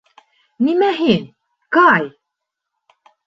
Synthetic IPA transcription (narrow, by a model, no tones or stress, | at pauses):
nimæɦin | kɑj